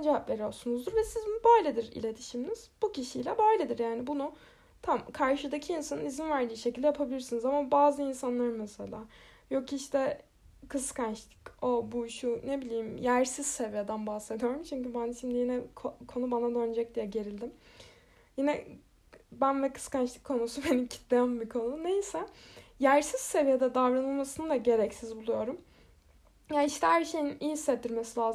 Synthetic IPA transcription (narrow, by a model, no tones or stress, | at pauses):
nd͡ʒeɦaplʲe̞ɾijosunuzd̪uɾvɛsizbunubaːlʲed̪iɾḭlʲe̞t̪ʰi̥ʃimniz̥bucʰiʃijlʲɛbaːlʲed̪iɾjaːnibunu | t̪ʰamkʰaɾʃɯd̪acʰiːnsanɯnizinvæɾd̪ʲijːʃecʰilʲd̪ɛjapʰabilʲiɾsinizamabaːzɯinsanlˠaɾɯmmɛselʲˠa̰ː | jo̞kʰiiʃt̪ʰɛ | kʰɯskʰanʃt̪ʰi̥cobuʃunebilʲijimjæɾsiz̥se̞vijed̪ænbahse̞d̪ijo̞ɾumt͡ʃʰyɲcybænʃimd̪ijinɛkʰokʰo̞nubanad̪ønd͡ʒɛc̚d̪ijɛɟe̞ɾilʲd̪im | jinɛ | bænvɛkʰɯ̥skanʃlʲˠi̥kʰːo̞nusube̞nimcʰi̥t̪d̪ejambikʰo̞nune̞jisɛjæɾsiz̥se̞vijed̪ɛd̪avɾanɯlˠmasɯnɯd̪aɟe̞ɾɛcsizbulˠujo̞ɾum | jaiʃt̪ʰɛhæɾʃe̞jinijsetd̪iɾmesilʲaːz